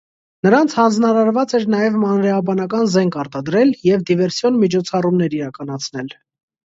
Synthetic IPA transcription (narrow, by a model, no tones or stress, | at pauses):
nəɾɑnt͡sʰhɑnd͡znɑɾɑɾvɑt͡sɛɾnɑjɛvmɑnɾɛɑbɑnɑkɑnzɛŋkʰɑɾt̪ɑd̪ɾɛljɛvd̪ivɛɾsjɔnmit͡ʃʰɔt͡sʰɑrumnɛɾiɾɑkɑnɑt͡sʰnɛl